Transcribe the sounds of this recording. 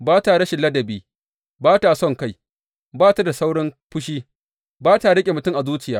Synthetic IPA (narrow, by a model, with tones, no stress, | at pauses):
baː˦taː˨ɽɐ˦ʃɪ˨lːɐ˦dɐ˨biː˦ | baː˦ta˨sɔ˦ŋka˦˨j | baː˦ta˨da˨sa˦wɽɪ˦mɸʊ˦ʃiː˦ | baː˦ta˨ɽɐ˦kʲʼe˨mʊ˨tʊ˦mʔa˨zuː˦t͡ʃɪ˨jaː˦